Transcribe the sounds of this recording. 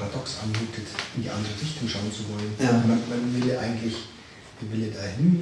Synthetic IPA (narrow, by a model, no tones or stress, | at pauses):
ʁadɔksʔa̰nmuːtʰətʔɪndḭːʔa̰ndəʁəʁɪçtʊŋʃaʊənt͡suvɔlənmanmanvɪləʔa̰ɪɡŋ̩tlɪç | iːvɪləɐdaːhɪn